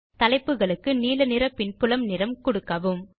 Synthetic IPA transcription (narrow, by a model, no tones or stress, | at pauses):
t̪ɐlɐɪpːɯɣɐɭɯkːɯniːlɐnɪɾɐpːɪnpʊlɐmnɪɾɐmkʊɽɯkːɐʋɯm